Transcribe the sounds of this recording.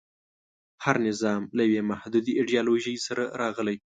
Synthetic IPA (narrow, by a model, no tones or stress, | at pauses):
haɾnɪzɑmlajawemahd̪ud̪iɪɖijɑloʒəjsaɾaɾɑɣəlaj